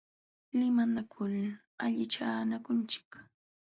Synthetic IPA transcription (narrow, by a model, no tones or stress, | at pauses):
lɪmanakʰʊl | aʎɪt͡ʃaːnakʊnt͡ʃɪ̥k